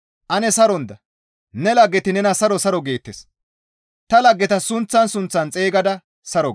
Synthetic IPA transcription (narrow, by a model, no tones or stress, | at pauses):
ʔɐnɛsɐɾɔnd̪ɐ | nɛlɐɡːɛt̪ɪnɛnɐsɐɾɔsɐɾɔɡe̞ːt̪ːes | t̪ɐlɐɡːɛt̪ɐsʊnt͡sːɐnsʊnt͡sːɐnt͡sʼe̞ːɡɐd̪ɐ | sɐɾɔ